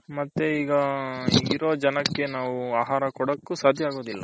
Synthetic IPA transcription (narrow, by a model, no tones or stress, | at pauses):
mɐt̪ːeiːɡɐiːɡiɾoːd͡ʒɐnɐkːe̞naːʋuaːɦaːɾɐkɔɽɐkːusaːd̪ʱjɐaːɡo̞ːd̪ilːɐ̰